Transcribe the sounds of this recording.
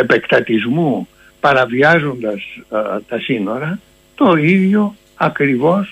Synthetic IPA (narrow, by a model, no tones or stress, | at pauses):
e̞pe̞kt̪ɐt̪izmu | pɐɾɐviɐzo̞nd̪ɐst̪ɐsino̞ɾɐ | t̪o̞iðʝo̞ | ɐkɾivo̞s